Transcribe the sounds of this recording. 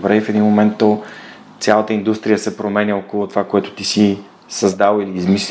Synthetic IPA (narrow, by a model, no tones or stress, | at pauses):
bɾɛifɛd̪inmomɛnt̪ːo | t̪sʲalˠət̪əind̪ust̪ɾijəsɛpɾomɛnʲəokolˠʊt̪ovakoɛt̪ʊ̥t̪isi | sɐzd̪alˠiliːzmisl